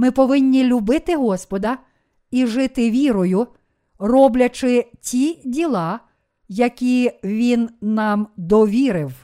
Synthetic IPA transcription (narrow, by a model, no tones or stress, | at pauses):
mɪpɔʋɪnʲːilʲʊbɪt̪ɪɦɔspɔd̪ɐ | iʒɪt̪ɪʋʲiɾɔjʊ | rɔblʲɐt͡ʃɪtʲidʲilˠɑ | jɐkʲiʋʲinːɑmd̪ɔʋʲiɾɪw